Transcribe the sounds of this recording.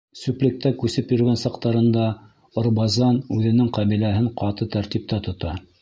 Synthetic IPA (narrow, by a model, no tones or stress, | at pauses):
sʉplɘ̆k̚t̪ækʉsɘpjɵ̆ɾɡænsɑqt̪ɑɾɤ̆nd̪ɑ | ŏɾbɑzɑnʉðɘ̆nɘŋqɑβilæɦɘɴqɑt̪ɤt̪æɾt̪ip̚t̪æt̪ŏt̪ɑ